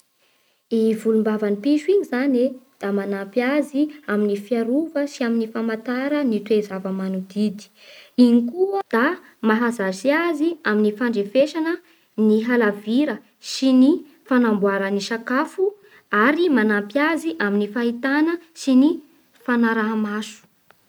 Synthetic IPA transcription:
ivulumbavanipiʃuiɲizaned̪̥amanampjaziaminifiaɾuvəsiaminifamat̪aɾənit̪wezavəmanud̪id̪i̥ | iɲikuəd̪̥a | maɦazasiaziaminifaɳɖ͡ʐefeʃanə | niɦalaviɾə | sini | fanambwaɾəniʃakafu | aɾimanampjaziʔaminifaɦit̪anəsini | fanaɾaɦamasu̥

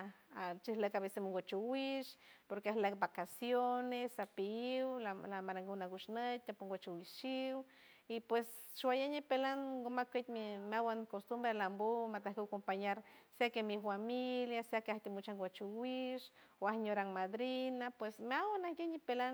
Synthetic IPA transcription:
at͡ʃihlekaβesemuŋɡʷat͡ʃuwiʃpoɾkeahlekbakasjonesapiiwlalamaɾaŋɡunaɡuʃnət̪ːapuŋɡʷat͡ʃuwiʃiw | ipwes | ʃwajaɲipelaŋɡomakʷet̪mimeawankost̪umbɾelambomat̪ahkewkompaɲaɾseakemifamiljaseakeaht̪imut͡ʃaŋɡwat͡ʃuwiʃoahɲoɾaŋmad̪ɾinapwesmeawanahjeɲipelan

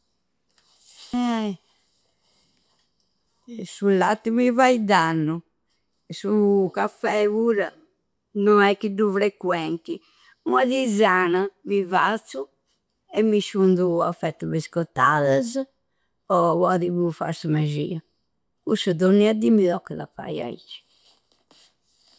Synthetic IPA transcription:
sulːat̪ːimivaid̪anːu | sukafɛuɾa | nɔɛkːid̪ufɾɛkwɛnt̪i | uaðizanamivat̪su | ɛmːiʃund̪uafːɛt̪ːuβiskɔt̪ːaðaz | ɔβaðiβufa̰ɾsumaʒiːa | kusud̪ɔnːiad̪imilɔkːɛla̰pa̰ja̰ḭt͡ʃːi̥

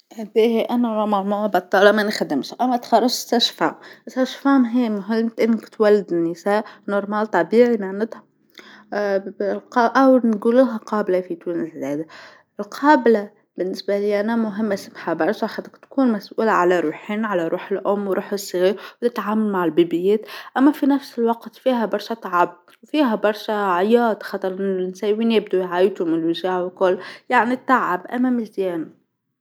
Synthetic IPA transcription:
hæd̪iːhʔænæɾˤɑmɑɾmawbɑt̪ˤːɑːlɑmænxad̪ɪmʃʔæmːæt̪xɑrˤːɑʒsæʃfa̰msæʃfamɦɪmɦɪt̪ʔɪnːkt̪wælːɪd̪ɪnːisæːʔnʊɾˤmaːlt̪ˤɑbiːʕimaʕnɪt̪hæ | lqɑʔæwnɡuːluɦæqʰɑːblafit̪uːnɪslæːd̪a | ɪlqʰɑːbla | b̥ɪnːɪsbaliːʔanamʊɦɪmːʔasamħabɑɾˤʃaħad̪ɪkt̪kuːnmasʔuːlaʕalaɾˤuːħiːnʕalaɾˤuːħɪlʔʊmːwɾʔuːħɪsˤːɣiːɾwt̪ɪt̪ʕaːmalmaʕɪlbiːbɪjeːt̪ʔamːafinafsɪlwɑqt̪fiːɦabɑɾˤʃat̪ʕab̚ | wfiːɦabɑɾˤʃaʕajɑːt̪xɑt̪ˤɑɾˤɪnɪnsaːwiːnjɪbd̪ujʕaːjt̪ʊmɪnlwɪʒaːʕwkʊlːjaʕnit̪aʕʕabʔa̰mæmɪzjæːna

